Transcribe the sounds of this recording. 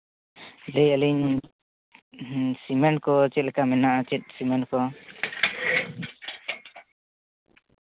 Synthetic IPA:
lɛjəliɲ | simɛnkɔt͡ʃɛt̪̚lɛkamɛnaʔat͡ʃɛt̪̚simɛnkɔ

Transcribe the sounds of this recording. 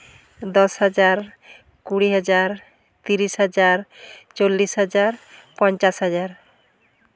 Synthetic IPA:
d̪ɔsɦad͡ʑaɾ | kuɽiɦad͡ʑaɾ | t̪iɾisɦad͡ʑaɾt͡ɕolːisɦad͡ʑaɾpɔnt͡ɕasɦad͡ʑaɾ

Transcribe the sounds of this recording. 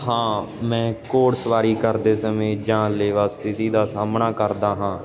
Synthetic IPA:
ɦãː | mɛ̃ːkoːɽsʋaːɾiːkəɾd̪eːsəmẽːd͡ʒãːleːʋaːst̪ʰɪt̪iːd̪aːsaːmnaːkəɾd̪aːɦãː

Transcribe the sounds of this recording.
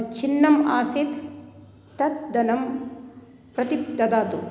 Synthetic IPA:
t͡ʃʰinːɐmaːsit̪ː | ɐt̪̚d̪ɐnɐm | pɾɐt̪ipd̪ɐd̪aːt̪ṵ

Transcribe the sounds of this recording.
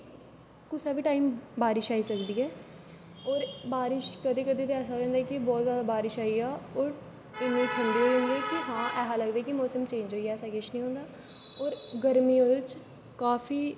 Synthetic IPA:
kʊsaːbʱiːʈaːiːmbaːɾɪʃaːiːsəkd̪iːɛː | ɔːɾbaːɾɪʃkəd̪eːkəd̪eːt̪eɛːsaːɛ̃ːnd̪aːkɪbɔːt̪zjaːd̪aːbaːɾɪʃaːiaːɔːɾ | ɪnõːʈʰɪ̃nd̪iːɦoːiɦʊ̃nd̪iɛːkɪɦãːʔɛːsaːləɡd̪aɛːkɪmɔːsəmt͡ʃẽːɲd͡ʒoːiɛːsaːket͡ʃnĩːɦõːnd̪aː | ɔːɾɡəɾmiːot͡ʃ | kaːfiː

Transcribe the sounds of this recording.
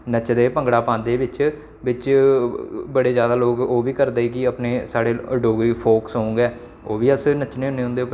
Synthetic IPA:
nət͡ʃd̪eːpə̃ŋɡɽaːpãːnd̪eːʋɪt͡ʃ | ʋɪt͡ʃ | bəɽeːzjaːd̪aːloːkoːʋiːkəɾd̪eːkɪəpneːsaːɽeːəɖoːɡɾiːpʰoːksõːʊ̃ŋɡɛː | oːʋiːəsnət͡ʃneːʊneːʊ̃nd̪eːʊp

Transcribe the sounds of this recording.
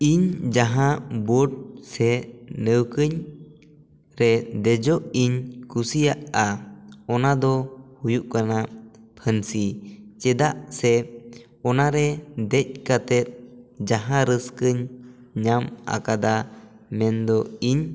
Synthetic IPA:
iɲd͡ʒaɦãʔbɔɖ̚sɛnəwkəɲ | ɾɛd̪ɛd͡ʒɔʔiɲkusijaʔaɔnad̪ɔhujuʔkanapʰənsit͡ʃɛd̪aʔsɛ | ɔnaɾɛd̪ɛc̚kat̪ɛt̪̚d͡ʒaɦãɾəskəɲɲama̰kad̪a | mɛnd̪ɔiɲ

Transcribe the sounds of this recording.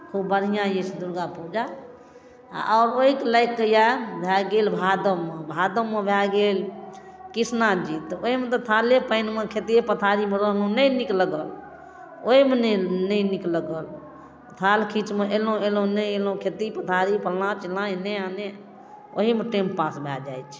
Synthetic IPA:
kʰubbəɽɦijãjesd̪uɾɡapud͡ʒa̰ | ɔːɾoɦikelaɪkːejabʱjaɡelbʱad̪əmebʱad̪əmebʱjaɡel | kisnad͡ʒit̪oimet̪ɔt̪ʰalepəɪnmekʰet̪epət̪ʰaɾimeɾəɦlõnəjnikləɡəl | oɦimennəinikləɡəl | t̪ʰalkʰit͡ʃmeʔelõelõnəjelõkʰet̪ipət̪ʰaɾipəlnãt͡ʃilãineane | o̰ɦimeʈempãsbʱja̰d͡ʒa̰jt͡ʃʰ

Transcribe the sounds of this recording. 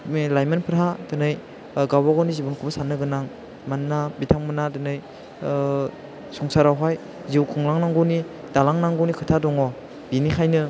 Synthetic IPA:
lajmanpʰɯɾɦadɯnɯj | ɡawaɡɔnizibɔnkʰubasanɯɡɯnaŋ | manːabitʰaŋmanadɯnɯj | sɔŋsaɾawɦaj | ziwkʰɯŋlaŋnaŋɡɔni | d̥alaŋnaŋɡɔnikʰɯtʰadɔŋɔ | binikʰajnɯ

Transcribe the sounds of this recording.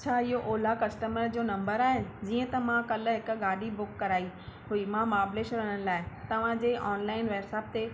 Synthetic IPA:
ɐt͡ɕʰaːɪɦoʔoːlakɐsʈəməɾd͡ʑoːnɐ̃mbəɾaːɦed͡ʑiːə̃t̪ɐmãkɐlɦɪk̆ɡaːɖibʊkːɐɾaːihʊimãmaːbleːʃɾəɽ̃ənlaːɪt̪ɐʋ̤ãd͡ʑeːʔɔːnlaːɪnʋeːbsaːp̚t̪e

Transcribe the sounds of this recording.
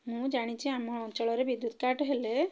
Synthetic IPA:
mũd͡ʒaɽ̃it͡ʃʰiamɔɔt͡ʃɔɭɔɾebid̪ut̪kaʈɦele

